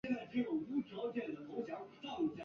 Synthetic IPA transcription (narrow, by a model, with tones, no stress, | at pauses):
ɛ˥˧nt͡sa˥˧ɪʈ͡ʂɤ˥˩ʈ͡ʂʊ˨˩ŋu˥˩ʈ͡ʂɑ˧˥ʊt͡ɕjɛ˨˩nd̪ə˨˩t̪ʰo˧˥ʊɕjɑ˥˩ʊ˧˥t̪ɑ˥˩ʊi˧˩t͡ɕ